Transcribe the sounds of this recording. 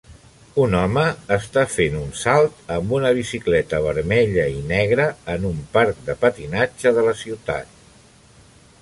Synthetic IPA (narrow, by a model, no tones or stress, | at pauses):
unɔməːst̪afenunsalˠt̪əmbunəβ̞isiklɛt̪əβ̞əɾmɛʎəinɛɣɾəːnumpaɾk̚d̪əpət̪inad͡ʒəðələsiwt̪a̰t̪̚